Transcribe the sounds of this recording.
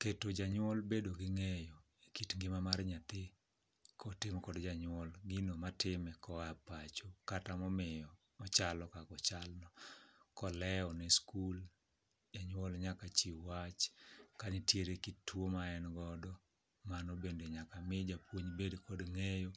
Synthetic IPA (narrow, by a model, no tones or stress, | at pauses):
ketod͡ʒaɲɔlbedoɡɪŋejo | ekitŋɡɪmamarɲat̪ɪ | kɔtɪmkɔdd͡ʒaɲwɔlɡɪnomatɪmɛkɔapat͡ʃokatamɔmɪjɔ | ɔt͡ʃalɔkakɔt͡ʃalnɔkɔlɛɔnɛskul | d͡ʒaɲwɔlɲakat͡ʃiwat͡ʃkaɲitjeɾekittːwomaɛnɡɔdɔ | manobendeɲakamɪd͡ʒapwoɲbedkɔdŋejo